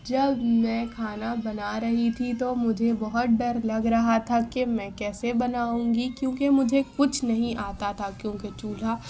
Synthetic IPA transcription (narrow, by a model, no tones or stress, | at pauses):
d͡ʒɐbmɛ̃ːkʰaːnabɐnaɾɐɦit̪ʰit̪omʊd͡ʒʱebɔɦʊt̪̚ɖɐɾlɐɡɾɐɦat̪ʰakemɛ̃kɛːsebɐnaːũːŋɡikjõːkemʊd͡ʒʱekʊt͡ʃʰnɐɦĩʔaːt̪at̪ʰakjõːket͡ʃuːl̤a